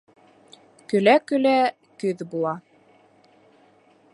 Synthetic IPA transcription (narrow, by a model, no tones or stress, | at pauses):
kɵ̆lækɵ̆læ | kɵðbulˠɑ